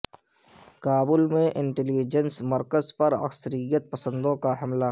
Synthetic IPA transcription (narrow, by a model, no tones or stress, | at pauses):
kaːbʊlmẽʔɪ̃ɳʈɛlid͡ʒənsmɐɾkəzpɐɾɐ̰ksəɾijət̪̚pəsə̃nd̪õkaɦɐmla